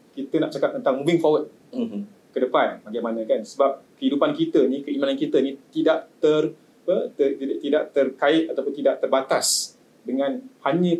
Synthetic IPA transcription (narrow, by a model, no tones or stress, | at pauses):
kit̪ənaʔt͡ʃakap̚t̪ənt̪aŋmũbɪŋfawət̪̚ | kədəpanbaɡajmanãkansəbap̚kəidupankit̪ənikəimanankit̪ənit̪idaʔt̪ər | pət̪əiat̪idaʔt̪ərkaɪt̪̚at̪awpʊnt̪idaʔt̪ərbat̪as | dəŋãnhaɲə̃